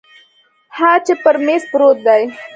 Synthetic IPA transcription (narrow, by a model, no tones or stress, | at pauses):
hat͡ʃepəɾmespɾot̪̚d̪aj